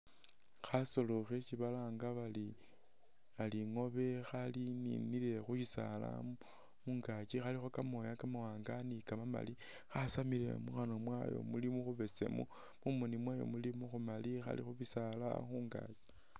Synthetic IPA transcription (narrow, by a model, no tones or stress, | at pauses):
xaso̞loxet͡ʃiβalaːŋɡaβali | aliŋo̞βe̞xalinḭnile̞xuʃisa̰la̰ | muŋɡat͡ʃixalixokamo̞jakamawaːŋɡanikamama̰li | xasamile̞̰muxanomwajo̰mulimuxuβe̞sḛmṵ | mumunimwajo̰mulimuxumalixa̰lḭxuβisala̰xuŋɡa̰t͡ʃi̥